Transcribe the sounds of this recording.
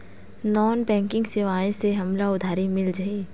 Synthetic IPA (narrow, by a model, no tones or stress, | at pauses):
nɔːnbɛ̃ːŋkɪ̃ŋɡsɪʋaːẽseɦɐmlaʊd̪ʱaːɾimɪld͡ʒaɦi